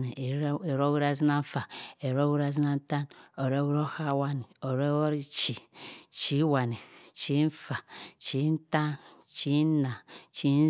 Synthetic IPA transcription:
ni˨˦e˨ɾo˦wu˦ɾa˦˨zi˦na˦ɱ̩˦fa˨e˨ɾo˦wu˦ɾa˦zi˦na˦n̩˦ta˦no˨ɾe˦wu˦ɾo˦ha˦wa˦ni˨o˨ɾe˦wo˦ɾi˦t͡ʃi˨t͡ʃi˦wa˨ni˨t͡ʃi˦n̩˦fa˨t͡ʃi˨˦n̩˦ta˦n | t͡ʃi˨˦na˨t͡ʃi˦n˦

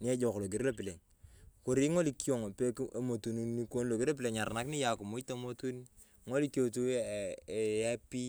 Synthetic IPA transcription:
ni˦ɛ˦d͡ʒɔ˨klo˨ɡi˨ɾlo˦pɪ˨le˨ŋ | ko˨ɾi˦ŋo˦li˨ki˦o˦˨ŋo˨pe˦ke˦mo˨tu˨nu˨nːi˦ko˦nlo˨ɡi˦ɾlo˦p̬ɪle˨ŋɲa˨ɾna˦kni˦ja˨ku˨mu˦ta˦mo˦tu˦ni | ŋo˦li˦ko˨tu˦˨ | ja˦pi˦

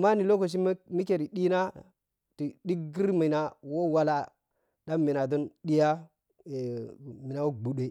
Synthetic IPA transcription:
ma˦ni˨lo˦ko˨s̬i˦mi˦ke˨ɾi˨ɗi˦na˦ | ti˨ɗi˦kɡi˦ɾma˨na˨wo˦wa˦la˦ | ɗa˦mːi˨na˨do˦nɗi˦ja˦˨ | mi˨na˨wo˦ɡ͡bu˨ɗe˨

